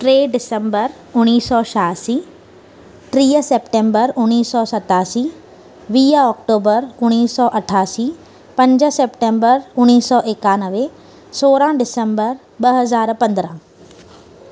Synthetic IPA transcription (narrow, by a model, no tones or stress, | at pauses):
ʈɾeːɖɪsə̃mbəɾ | ʊñiːsːɔːʃaːsiː | t̪ɾiːəseːpʈẽmbəɾʊniːsːɔːsɐt̪aːsiː | ʋiːəɔːkʈoːbəɾʊñiːsːɔːʔɐʈʰaːsiː | pɐ̃ɲd͡ʑəseːpʈẽːmbəɾʊñiːsɔːʔeːkaːnəʋe | soːɾãɖɪsə̃mbəɾ | bɐɦɐzaːɾpɐ̃nd̪ɾã